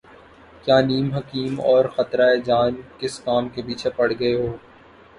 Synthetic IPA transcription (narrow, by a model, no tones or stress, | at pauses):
kjaːniːmɦɐkiːmɔːɾxɐt̪ɾaed͡ʒaːnkɪskaːmkepiːt͡ʃʰepɐɽ̤ɡɐeɦoː